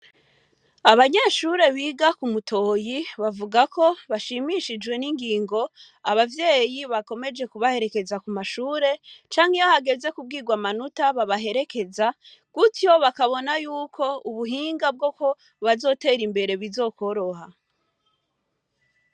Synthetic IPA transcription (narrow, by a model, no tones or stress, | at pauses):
aβaɲaʃuɾe̞βiːɡakumutʰo̞ːjiβavuɡakʰo̞βaʃimiʃid͡ʒɡwe̞niŋɡiːŋɡo̞ | aβavje̞ːjiβako̞me̞d͡ʒe̞kuβahe̞ɾe̞ke̞zakumaʃuːɾe̞t͡ʃaːŋ̥hijohaɡe̞ze̞kub̚ɡiːɡwamanutaβaβaɦe̞ɾe̞ke̞za | kuto̞βakaβo̞najuːkʰo̞uβuɦiːŋɡab̚ɡo̞ko̞ | βazo̞ːte̞ːɾimbe̞ɾe̞βizo̞ːko̞ɾo̞ha